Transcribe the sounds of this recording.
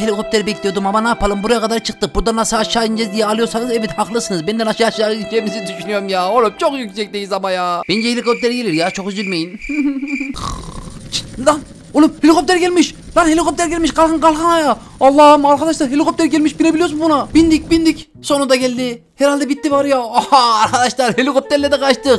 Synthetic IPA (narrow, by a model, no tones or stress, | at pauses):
helʲikʰop̚t̪ʰeɾibɛkʲlijod̪umamanaːpʰalˠɯmbuɾajakʰad̪aɾt͡ʃʰɯq̚t̪ɯbuɾd̪anasaaʃaːind͡ʒɛzd̪ijɛalˠɯjoɾsanɯzɛvit̪haqlˠɯsɯnɯzbɛnd̪ɛnaʃaːʃlˠaɾɯind͡ʒemizid̪yʃynyjoɾumjaːolut͡ʃʰokjycʲsɛc̚d̪ejizamajaːbɛnd͡ʒɛhelʲikʰop̚t̪ʰeɾɡelʲiɾjaːt͡ʃʰoxyzilʲmejin | t͡ʃʰi̥d̪an | ulˠuphelʲikʰo̞p̚t̪eɾiɟɛlʲmiʃd̥̪anhelʲikop̚t̪ɛɾɡɟɛlʲmiʃkʰalˠxʰɯnkʰalˠxanajaː | lˠːɑːhɯmaɾkʰad̪aʃlˠaɾɦelʲikʰo̞p̚t̪ɛɾɟɛlʲmiʃbilebilʲijos̬umbunabind̪ic̚bind̪ic | so̞nund̪aɟɛlʲd̪i | hɛɾalʲd̪ɛbit̪ːivaɾjahaːɾkʰad̪aʃlˠaɾhelʲikop̚t̪ɛlːɛd̪ɛqʰat͡ʃt̪ɯq